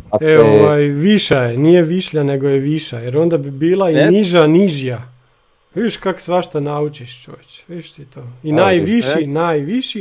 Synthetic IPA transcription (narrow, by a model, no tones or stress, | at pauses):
eoʋajʋiʃajenijeʋiʃʎane̞ɡojeʋiʃajeɾo̞nd̪abibiːlˠainiʒaniʒja | ʋid̪iʃkako̥sʋaʃt̪anaut͡ʃiʃt͡ʃo̰ːʋet͡ɕʋidiʃt̪it̪oːinajʋiʃinajʋiʃi